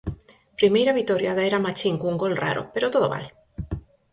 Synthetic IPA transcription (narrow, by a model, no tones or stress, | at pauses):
pɾimejɾaβit̪oɾjaðaeɾamat͡ʃiŋkuuŋɡolra̰ɾo̰peɾot̪oðoβa̰l